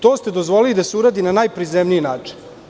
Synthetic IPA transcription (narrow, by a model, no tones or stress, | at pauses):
t̪oːst̪e̞d̪o̞zʋo̞lilid̪aseuɾaːd̪inanaːjpɾizemnijinaːt͡ʂi̥n